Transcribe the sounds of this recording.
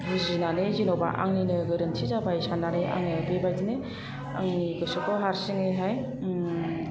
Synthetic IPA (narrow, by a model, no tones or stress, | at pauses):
ɦɯzinanezinoba̰ʔa̰ŋninɯɡɯɾɯntʰizabajsananejʔa̰ŋniɯbebajdine | a̰ŋniɡɯsɔkɔɦaɾsiŋɯɦaj